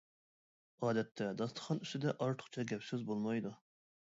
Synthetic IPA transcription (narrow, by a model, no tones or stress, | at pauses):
ɑːd̪ɛt̪ʰːɛd̪ɑst̪ʰə̥χʰɑny̥st̪ɪd̪ɛʔɑɾt̪ʰʊ̥χt͡ʃʰɑɡʲɛpsɪzbolˠmɑjd̪u